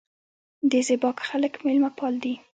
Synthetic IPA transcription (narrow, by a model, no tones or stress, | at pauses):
d̪əzɪbɑkxaləkmelmapɑld̪i